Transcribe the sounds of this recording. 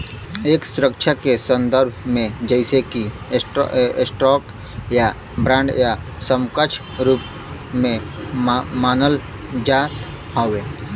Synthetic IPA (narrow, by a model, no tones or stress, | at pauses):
eːksʊɾəkʃʰakesə̃nd̪əɾbʱmẽd͡ʒəɪseki | ʈsʈɾɔːk | ja | bɾãːɳɖja | səmkət͡ʃʰ | ɾuːp | mẽ | maːnəl | d͡ʒaːt̪ | hoːʋeː